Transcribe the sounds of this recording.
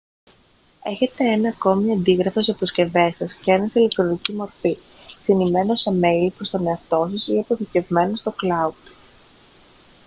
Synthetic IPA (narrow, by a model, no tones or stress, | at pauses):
e̞çe̞t̪e̞e̞nɐːko̞miɐnd̪iɣɾɐfos̬eɐpo̞sce̞ve̞sɐscenɐsile̞k̚t̪ɾo̞nicimo̞ɾfi | sinime̞no̞seme̞jlpɾo̞st̪o̞ne̞ɐft̪o̞sɐsiɐpo̞θice̞vme̞no̞st̪o̞klɐud̪̥